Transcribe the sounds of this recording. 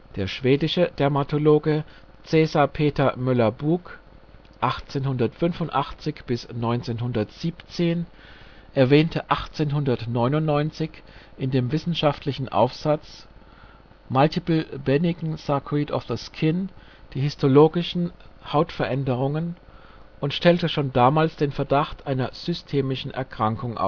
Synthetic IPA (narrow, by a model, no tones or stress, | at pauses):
d̥eːɐʃv̥eːdɪʃəd̥ɛɐmatʰoloːɡə | t͡sɛːzaɐpʰeːtɐmʏlɐbuːk | ʔaχt͡seːnhʊndɐtfʏnfʊntʔaχt͡sɪçb̥ɪsnɔʏnt͡seːnhʊndɐtz̥iːpt͡seːn | ʔɛɐvɛːntʰəʔaχt͡seːnɦʊndɐtnɔʏnʊntnɔʏnt͡sɪçʔɪndeːmvɪsn̩ʃaftʰlɪçn̩ʔa̰ʊfz̥at͡s | maltʰɪpl̩bɛnɪɡŋ̩sakʰʊiːtɔfðəskʰɪn | d̥iːhʏstʰoloːɡɪʃn̩haʊtfɛɐʔɛndəʁ̞ʊŋən | ʔʊntʃtɛltəʃoːndaːmaːlsd̥eːnfɛɐdaχtʔaɪnɐz̥ʏstʰeːmɪʃn̩ʔɛ̰ɐkʁ̥aŋkʊŋʔa̰ʊ